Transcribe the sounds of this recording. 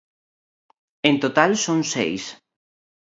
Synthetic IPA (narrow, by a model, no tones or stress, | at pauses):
ent̪ot̪alsoŋsḛjs